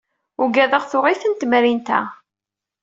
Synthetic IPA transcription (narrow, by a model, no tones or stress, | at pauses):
ʊɡæðəʁθʊʁiθənt̪mɾint̪æ̰